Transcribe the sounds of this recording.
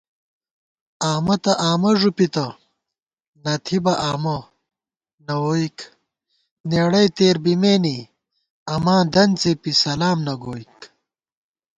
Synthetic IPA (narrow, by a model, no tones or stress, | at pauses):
aːmɐt̪ɐʔaːmɐʐupit̪ɐ | nɐt̪ʰibɐʔaːmɐ | nɐwoːik | neːɽɐjt̪eːɾbimeːni | ɐmãːd̪ɐnt͡sepisɐlaːmnɐɡoːik